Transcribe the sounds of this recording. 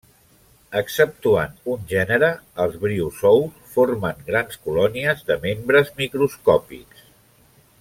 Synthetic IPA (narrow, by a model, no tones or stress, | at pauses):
əksəp̚t̪ua̰nunʲʒɛnəɾəːlˠzβɾiusɔwsfoɾməŋɡɾanskulɔniəzðəmembɾəzmikɾuskɔpḭks